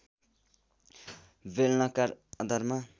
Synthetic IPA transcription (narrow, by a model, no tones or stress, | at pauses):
belnʌkaɾʌd̪ʱʌɾma